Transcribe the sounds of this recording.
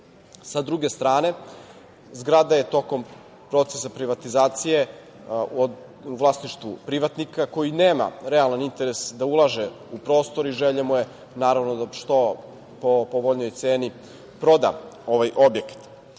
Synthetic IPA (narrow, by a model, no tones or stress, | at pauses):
sad̪ɾuɡe̞st̪ɾaːne̞ | zɡɾad̪aje̞t̪o̞ko̞m | pɾo̞t̪sesapɾiʋat̪izaːt̪sije̞ | o | uʋlˠasniʃt̪vʋupɾiʋat̪nikako̞jineːma̰ɾealˠanint̪e̞ɾesd̪aulˠaʒe | upɾo̞ːst̪o̞ɾiʒeʎemuje̞ | naːɾaʋnod̪aʃt̪o̞ | popoʋoʎnojt̪seːni | pɾo̞d̪a̰o̞ʋajʔo̞bje̞kḁt̪